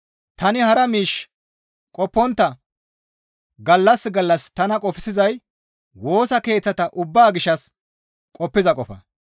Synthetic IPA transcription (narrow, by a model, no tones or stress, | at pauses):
t̪ɐnɪhɐɾɐmiːʃ | kʼɔpːɔnt̪ːɐ | ɡɐlːɐsɡɐlːɐst̪ɐnɐkʼɔfɪsɪzɐj | wo̞ːsɐke̞ːt͡sːɐt̪ɐʔʊbːaːɡɪʃɐs | kʼɔpːɪzɐkʼɔfɐ̰